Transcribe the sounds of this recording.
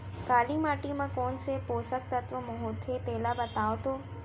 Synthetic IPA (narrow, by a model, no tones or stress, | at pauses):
kaːlimaːʈimãkoːnsepoːsək̚t̪ət̪ʋəmoɦoːt̪ʰet̪eːlabət̪aːʋt̪oː